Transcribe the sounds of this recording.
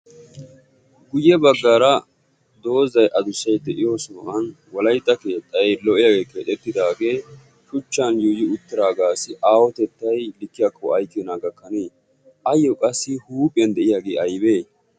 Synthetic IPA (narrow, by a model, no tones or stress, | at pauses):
ɡʊjːɛbɐɡːaːɾɐ | d̪o̞ːzɐjʔɐd̪ʊsːɐjd̪ɛʔɪjoːsʊmɐʔɐn | wɔlɐjt̪ːɐke̞ːt̪ʼːɐjlɔʔɪjaːɡeːkʰeːt̪ʼɛt̪ːɪd̪aːɡe̞ː | ʃʊt͡ʃːɐnjuːjɪʊt̪ːɪɾaːɡaːsɪʔaːwɔt̪ɛt̪ːɐjlɪkːɪjakʰːɔɐjkːɪnaːɡɐkːɐneː | ʔɐjːɔkʼɐsːɪhuːpʼɪɐnd̪ɛʔɪjaːɡḛːɐjbe̞ː